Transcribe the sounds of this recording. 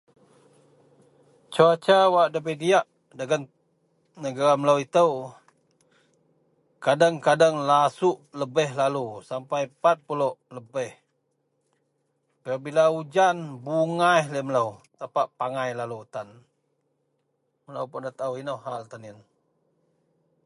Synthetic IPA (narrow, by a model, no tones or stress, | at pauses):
t͡ʃuat͡ʃawaʔdabədiaʔ | daɡan | nəɡaɾamələwit̪əw | kadaŋkadaŋlasuʔləbəhlalusampajpat̪̚pulɔʔləbəh | pərbilaud͡ʒanbuŋajhləmələwt̪apaʔpaŋajlalut̪an | mələwpuʔndat̪awinohɦalt̪anən